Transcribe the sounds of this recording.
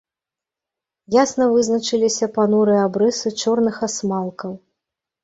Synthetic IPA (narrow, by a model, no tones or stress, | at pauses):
jasnɐvɨznɐt͡ʂɨlʲisʲɐpanɔɾɨjabɾɨsɨt͡ʂɔrnɨxasmalˠkɐw